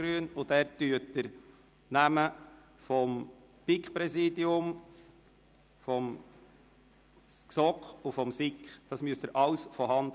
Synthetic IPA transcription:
ɾyːnʊdæːɾtyətːəɾ | næmə | fɔm | pɪkχpɾɛsiːdiʊm | fɔm | sɔkχʊfɔmsɪkχd̥ɑsmyəst̪əɾʔɑʊsfɔɾhɑnd̪

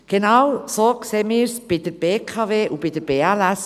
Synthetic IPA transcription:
ɡ̥enɑwsoːkseːmiːɾsb̥idəɾb̥eːkʰɑveːʔub̥id̥əɾbeːælæs

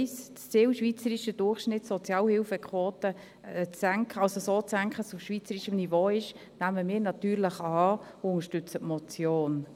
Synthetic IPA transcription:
st͡st͡sɪwʃʋit͡səɾiʃəd̥ʊrχʃnɪtsɔt͡sjɑːlhɪwfəkʰʋoːtə | t͡sːæŋkʰəɑlsosoːt͡sæŋkχəsʊfʃʋit͡səɾiʃəmnivoːɪʃnæməmɪːɾnɑt̪yːɾləχɑɑː | ʊŋəʃtʏt͡sətmɔt͡sjoːn

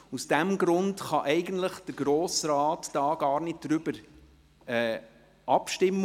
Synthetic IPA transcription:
usd̥æmɡɾʊntχɑʔɛɪɡəntləχd̥əɾɡɾoːsɾɑːtd̥ɑːɡɑːɾnɪd̚d̥ɾʏb̥əɾ | ɛː | ʔɑpʃtɪmː

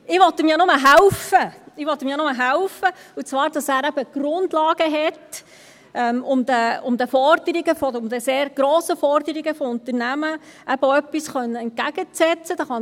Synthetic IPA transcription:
ɪʋɔtɪmjɑnʊməɦælfəɪʋɔt̪ːɪmjɑnʊməɦæwfəut͡sʋɑːɾd̥ɑsæːɾɛbəɡ̥rʊnd̪lɑːɡ̥əɦɛt | ʔɛmʊmd̪əʊmd̪əfɔrd̪̥əɾiɡəfɔʊmd̪əseːɾɡ̥ɾɔːsəfɔrd̪əɾiɡəfɔʊnt̪əɾnæməʔæb̥əœpːisχœnːəɛnt̚ɡæɡ̥ət͡sɛt͡səd̥ɑχɑ

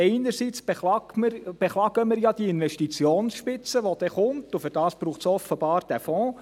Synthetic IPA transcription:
ɛɪnəɾsit͡sb̥elɑməɾb̥eχlɑːɡəmɪɾjɑd̥̪iɪnʋɛʃtit͡sjoːnsʃpɪt͡səʋod̥̪ɛχʊmt̪ʊfʏɾd̥ɑːsb̥ɾuːχtsɔfəb̥ɑːɾd̥æfɔ̃ː

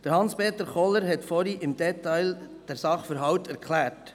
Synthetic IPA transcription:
d̥əɾhɑnspeːt̪əɾχɔləɾɦɛtfɔɾiʔɪmd̥ɛtɑɪld̥ɛɾsɑχfəɾɦɑwtæɾkʰlæːɾt

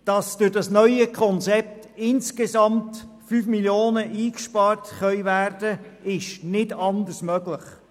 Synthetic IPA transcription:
d̥ɑsd̥ʉɾdɑsnœʏəkʰɔnt͡sɛp̚t | ɪnskezɑmtfyːfmiljoːnəʔiːkʃpɑːrtχœʏvæːrdəɪʃnɪdɑndəsmœɡləχ

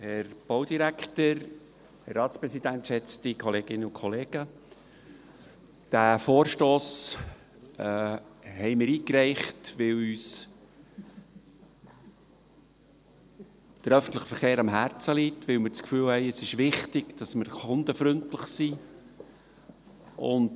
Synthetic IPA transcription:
hɛɾb̥oʊd̥̪iɾækʰt̪əɾ | hɛɾːɑːt̪t͡spɾɛsid̪ænt̪ʃɛt͡st̪ikʰɔleːɡ̥ɪnːəʊkʰɔleːɡ̥ə | d̥æfoːɾʃtoːs | hɛɪmɪɾiːkɾɛɪχtʋɪlyːs | d̥əɾœfən̩t̪ləχəfəɾχeːɾɑmɦæːɾt͡səlitʋɪlmɪɾt͡skfyːlhɛɪəsɪʃʋɪχtɪɡ̥d̥ɑsməɾχʊnd̪əfɾʏntləχsi | ʔʊ̰n

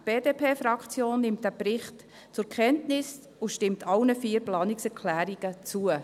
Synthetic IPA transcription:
b̥eːdeːpʰeːfɾɑkt͡sjoːnːɪmt̚d̥æːbɾɪχt | t͡sʊɾkʰχɛntnɪs | ʊʃtɪmtʰɑlnəfiːəɾplɑːnɪksɛɾkʰlæːɾiɡ̥ət͡suə

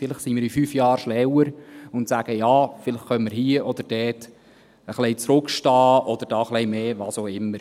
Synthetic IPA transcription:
fɪlɪχsimiːɾifyːfjɑːɾʃnɛwəɾʊntsæɡ̥əjɑːfɪləχχœmmɪɾhiːəʔɔd̪əɾd̥ɛːt | əχleɪt͡sɾʊkʃtɑːʔɔd̪əɾd̥ɑːχlɛɪmeːʋɑːsoːɪmːəɾ

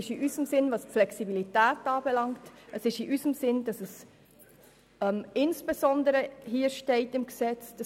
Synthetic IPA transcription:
ɪʃiʔyzəmsɪnvɑspflɛksibilitæːtɑːbɛlɑŋtʔəsɪʃiʔysəmsɪnd̥ɑsəs | ɛmɪnsb̥ezɔndəɾəɦiːəɾʃtɛɪtɪmksɛt͡sd̥ɑ

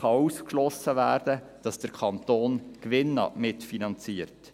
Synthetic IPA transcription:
χɑuskʃlɔsəvæːɾd̥ə | d̥ɑsd̥əɾkʰɑnt̪oːnkʋɪnːɑ̰mɪtfinɑnt͡siːəɾt

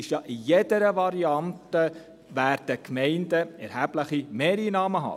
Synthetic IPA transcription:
ɪʃjɑʔijɛd̥əɾəʋɑɾiɑnt̪ə | ʋæːɾd̥əkʰmɛɪndəɛɾhæbləχimeːɾinɑːməɦɑ̰

